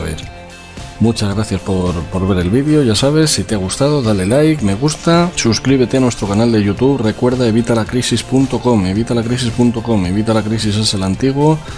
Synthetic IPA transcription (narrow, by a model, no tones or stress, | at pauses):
βḛɾ | mut͡ʃazɣɾaθjaspoɾpo̞ɾβ̞e̞ɾe̞lβiðjo̞ʝasaβ̞e̞sːit̪eaɣ̞ust̪aðo̞ðale̞lajkme̞ɣ̞ust̪asuskɾiβ̞e̞t̪e̞anwe̞st̪ɾo̞kanald̪e̞ʝut̪uβre̞kwe̞ɾð̞ae̞βit̪alakɾisispunt̪o̞ko̞me̞β̞it̪alakɾis̬ispunt̪o̞ko̞me̞βit̪alakɾis̬is̬eselant̪iɣwo̞